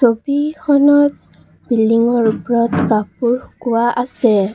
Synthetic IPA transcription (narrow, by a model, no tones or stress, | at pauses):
sobikʰɔnɔt̚ | b̥ildiŋɔɹupɹɔtkapuɹkʊwaʔasɛ